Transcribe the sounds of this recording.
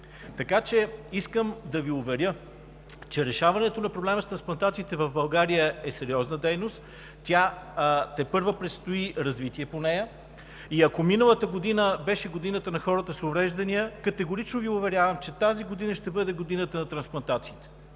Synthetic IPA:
t̪ɐkat͡ʃɛiskəmd̪ɐviʊvɛɾʲjə | t͡ʃɛɾɛʃavɐnɛt̪onɐpɾoblɛməst̪ɾɐ̃nsplˠɐnt̪at̪siːt̪ɛvɐvbɐlˠɡaɾijəɛsɛɾʲiɔznəd̪ɛjnost̪ | t̪ːʲjat̪ɛpɤɾvəpɾɛt̪st̪oiɾɐzvit̪iɛponɛjə | iɐkominəlˠət̪əɡod̪inəbɛʃɛɡod̪inət̪ənɐxɔɾət̪əsovɾɛʒd̪ɐnijəkɐt̪ɛɡoɾit͡ʃnoviʊvɛɾʲjavəmt͡ʃɛt̪aziɡod̪inəʃt̪ɛbɤd̪ɛɡod̪inət̪ənɐt̪ɾɐnsplˠɐnt̪at̪siːt̪ɛ̥

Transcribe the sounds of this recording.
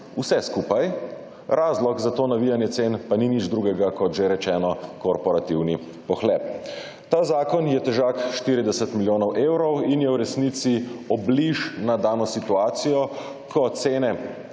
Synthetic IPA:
usɛskuːpaj | ɾʔaːzlɔɡzat̪oːnaʋijanjɛt̪seːnpaninid͡ʒd̪ɾuɡɛɡakɔt̪ʒeɾɛt͡ʃɛːnɔkɔɾpɔɾat̪iwni | pɔxlɛːp̚ | t̪aːzaːkɔnjɛt̪ɛʒakʃt̪iɾid̪ɛsɛt̪miljoːnɔwʔeːwɾɔwinjɛwɾɛsnit̪siɔbliʃnad̪aːnɔsit̪uaːt̪sijɔ | kʰɔt̪seːnɛ

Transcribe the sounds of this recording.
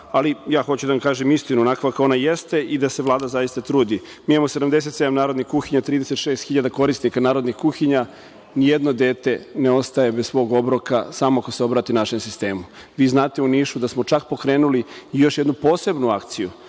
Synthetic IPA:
alijaːxo̞t͡ɕud̪aamkaːʒemist̪inuonakʋako̞najest̪e̞ʔid̪ase̞ʋlˠaːd̪azajist̪at̪ɾuːd̪i | miːamose̞d̪amd̪e̞s̬e̞t̪se̞d̪amnaːɾo̞d̪nixkuxiɲat̪ɾiːd̪e̞set̪ʃe̞ːst̪xiʎad̪ako̞ɾist̪nikanaːɾod̪nixkuxiɲa | nijed̪no̞d̪e̞ːt̪e̞neo̞st̪aje̞bezsʋo̞ːɡo̞bɾo̞kasamoako̞seo̞bɾaːt̪iunaʃemsist̪e̞ːmu | ʋiːznaːt̪e̞uniːʃud̪asmo̞t͡ʃak̚po̞kɾe̞ːnuliijo̞ʃjed̪nupo̞ːse̞bnuakt̪sijṵ

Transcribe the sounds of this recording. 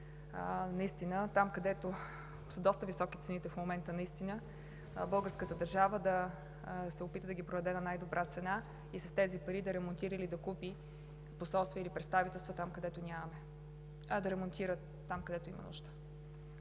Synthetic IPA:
nɐist̪inət̪amkɐd̪ɛt̪o | səd̪ɔst̪əvisɔkʲit̪sɛnit̪ɛfmomɛnt̪ənɐist̪inə | bɤlˠɡəɾskət̪əd̪əɾʒavəd̪ɐ | sɛopit̪əd̪ɐɡʲipɾoɐd̪ɛnɐnajd̪obɾʔat̪sɛna | isɐst̪ɛzipɐɾid̪ɐɾɛmont̪iɾəilid̪ɐkupi | posɔlˠst̪vʲiəilipɾɛt̪st̪avit̪ɛlˠst̪vot̪amkɐd̪ɛt̪onʲamɐmɛ | ɐd̪ɐɾɛmont̪iɾəː | amkɐd̪ɛt̪oḭmɐ̰nṵʒt̪ə̥

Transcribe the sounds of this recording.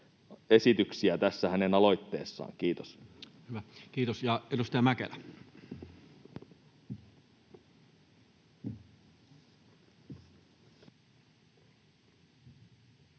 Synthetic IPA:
e̞sit̪yksiæt̪æsːæhæne̞nɑlo̞jt̪ːe̞ːsːɑ̰ːŋk̟iːt̪os | hyʋækiːt̪osjɑedust̪ɑjɑmækḛlæ

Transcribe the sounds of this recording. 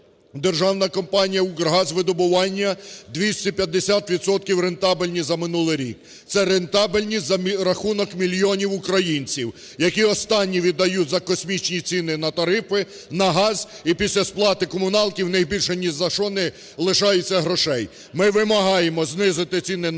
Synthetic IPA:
d̪erʒɑwnɐkɔmpɑnʲijɐuɡrɦɑzʲʋɪd̪ɔbʊʋɑnʲːɐd̪ʋʲisʲtʲipʲjɐd̪ːesʲat̪ʋʲid̪sɔt̪̚kʲiwɾent̪ɑbɪlʲnʲizɐmɪnulˠɪjɾʲḭk̚ | t̪sɛɾent̪ɑbɪlʲnʲizɐmɾɐxunɔkmʲilʲijɔnʲiwʊkɾɐjinʲt͡sʲiw | jɐkʲiɔst̪ɑnʲːiʋʲid̪ːɐjutʲzɐkɔsʲmʲit͡ʃnʲit͡sʲinɪnɐt̪ɐɾɪfɪ | nɐɦɑzʲ | ipʲisʲlʲɐsplˠɑt̪ɪkɔmʊnɑlˠtʲiwnɐjbʲilʲʃɛnʲiʒzɐʃɔnɪ | lˠɪʃɑjʊt͡sʲːɐɦɾɔʃɛj | mɪʋɪmɐɦɑjemɔznɪzɪt̪ɪt͡sʲinɪ

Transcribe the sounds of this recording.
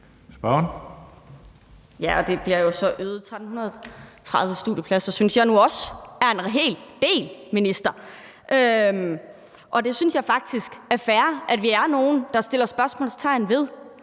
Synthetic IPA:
sb̥ɶn | jæʔɒ̽d̥e̝b̥liɐjo̝sɒ̽ʔøːð̩ˠt͡sʰʁad̥n̩hunɐð̞ˠt͡sʰʁɑ̈ð̞ˠʋəsd̥ṵð̰ˠjəpʰlæsɒsynsjɑ̈ɪnuɒ̽sæɐe̝nʁɦe̝̰ːld̥e̝̰ːlminisd̥ɐ | ʔøm | ʔɒ̽d̥e̝synsjɑ̈ɪfɑ̈ɡ̥̚d̥ʰisɡ̥æɐfæɐʔæd̥ʋiæɐno̝ːn̩d̥ɑ̈sd̥e̝l̰ɐsb̥ɶɐsmɔ̰ːlst͡sʰɑ̈ɪ̰n̩ʋe̝ð̞ˠ

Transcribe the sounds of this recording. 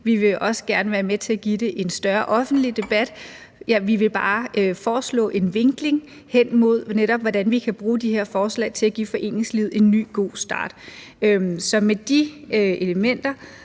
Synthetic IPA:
ʋiʋe̝ʔɒ̽sə̥ɡ̥æɐnəʋæːɐmet͡sʰe̝æɡ̥id̥e̝ʔe̝nsd̥ɶɐʔɒ̽fn̩d̥lid̥e̝b̥æd̥ | jæʋiʋe̝b̥ɑ̈ːfɒːslɔ̰̽ːʔe̝nʋe̝ŋɡ̥le̝ŋ | hen̰mo̝ð̞̰ˠneɾɒ̽b̥ʋɒdænʋikʰæb̥ʁuːd̥iheɐfɒːslɛ̰ɪt͡sʰe̝læɡ̥ḭːfɒ̽ʔe̝̰ːne̝ŋslið̞̰ˠe̝nːy̰ːɡ̥o̝̰ːsd̥ɑ̰̈ːd̥ | ømsɒ̽med̥ie̝ləmen̰d̥ɐ

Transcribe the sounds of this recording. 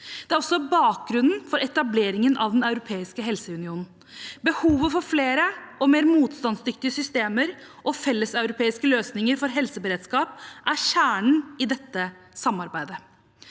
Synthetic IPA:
d̪ɛæɾɔsːɔbɑːk̚ɡɾʉnn̩fɔɾɛt̪ɑbleːɾɪŋənʔɑʋd̪ɛnɑʉɾʊpʰeːɪskəɦɛlsəʉnɪuːnn̩ | bəhuːʋəfɔɾfleːɾəɔmeːɾmuːt̪st̪ɑnsd̪ʏkt̪ɪəsʏst̪eːməɾʔɔfɛlːəsɑʉɾʊpʰeːɪskəløːsnɪŋəɾfɔɾɦɛlsəbəɾeːd̪skɑːp̚ʔæɾɕæːɳɳ̩ɪd̪ɛt̪ːəsɑmːɑɾbæɪd̪ə

